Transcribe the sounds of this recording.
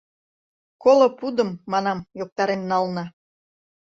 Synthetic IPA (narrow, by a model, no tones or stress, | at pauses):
kolŏpud̪əmːɑnɑmjok̚t̪ɑɾennɑlnɑ